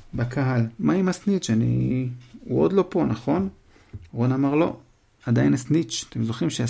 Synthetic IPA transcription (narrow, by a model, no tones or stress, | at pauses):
bakʰaɦalmaimasnit͡ʃanḭ | uo̰d̪lo̞po̞naχo̞n | ʁonamaʁlo̞̰ | ad̪ajnasnit͡ʃḁt̪emzo̞χimʃea